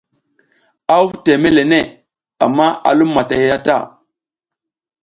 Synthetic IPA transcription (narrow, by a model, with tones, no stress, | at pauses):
a˦u˦vte˨me˦le˨ne˦˨ | a̰˨mːa˦a̰˨lu˦mːa˨ta˨ja˦ja˦ta̰˦˨